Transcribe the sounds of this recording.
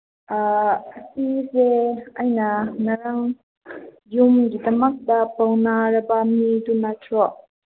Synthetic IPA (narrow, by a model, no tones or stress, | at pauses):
ʔaʔəsizɛʔajnanaɾaŋ | jumɡit̪əmak̚d̪apawnaɾabamidunatʰɔʔ